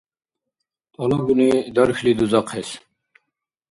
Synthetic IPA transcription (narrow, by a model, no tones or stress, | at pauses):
t̪ʰʼɔlɔɡunid̪ɔɾxlid̪uzɑqʰes